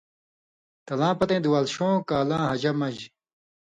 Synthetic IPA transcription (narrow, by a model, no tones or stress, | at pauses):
t̪ɐlãːpɐt̪ẽːd̪uwaːlɕõːkaːlãːɦɐd͡ʑɐmɐd͡ʑ